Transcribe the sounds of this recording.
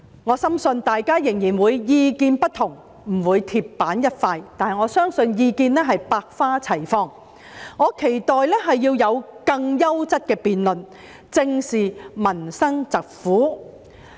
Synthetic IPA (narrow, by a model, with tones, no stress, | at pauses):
ŋɔː˨˧sɐ˥msɵ˧nt̪aː˨jkaː˥jɪ˨˩ŋjiː˨˩nwuː˨˧jjiː˧kiː˧npɐ˥t̚t̪ʰʊ˨˩ŋ | m̩˨˩wuː˨˧jt̪ʰiː˧pːaː˨˥njɐ˥t̚faː˧jt̪aː˨nhɐ˨˩jŋɔː˨˧sœː˥ŋsɵ˧njiː˧kiː˧nlɛː˥ɦɐ˨jpaː˧k̚faː˥t͡sʰɐ˨˩jfɔː˧ŋ | ŋɔː˨˧˥kʰe˨˩jt̪ɔː˨jlɛː˥ɦɐ˨jːiː˧wjɐ˨˧wkɐ˧ŋjɐ˥wt͡sɐ˥t̚kɛː˧piː˨nlɵ˨n | t͡sɪ˧ŋsiː˨˩mɐ˨˩nsɐ˥ŋt͡sɐ˨k̚fuː˨˥